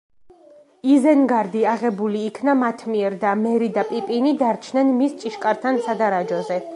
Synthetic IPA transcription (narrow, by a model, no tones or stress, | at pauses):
izɛnɡaɾd̪iaʁɛbuliːkʰnamat̪ʰmiɛɾd̪amɛɾid̪apʼipʼinid̪aɾt͡ʃʰnɛnmist͡ʃʼiʃkʼaɾt̪ʰansad̪aɾad͡ʒɔzɛ